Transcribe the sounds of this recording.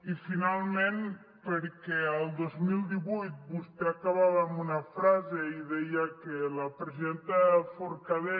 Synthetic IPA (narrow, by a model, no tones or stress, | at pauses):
ifinalˠmẽn | peɾkɛalˠd̪ozmilˠd̪iβujt̪̚bust̪eakaβaβaːmbunafɾazeiðɛjakelapɾeziðent̪afoɾkaðe